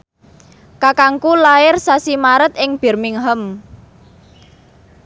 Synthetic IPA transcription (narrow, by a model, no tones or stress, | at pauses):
kakaŋkulaɪrsasimaɾət̪̚ɪŋb̥ɛ̤rmɪŋɦəm